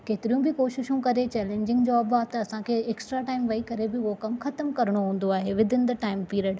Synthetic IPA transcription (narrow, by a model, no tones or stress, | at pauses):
keːt̪ɪɾijũbɪkoːʃɪʃũkɐɾet͡ɕɛːlẽːɲd͡ʑɪ̃ŋɡd͡ʑoːɐbaːt̪ɐɐsãkʰeeːksʈɾaʈaːɪmʋɐikɐɾebɪʊɦokɐmxɐt̪əmkɐɾɪɽ̃oɦũːn̆d̪oaːɦeʋɪd̪ʱɪnɪ̆d̪ɐʈaːɪmpiːɾəɽ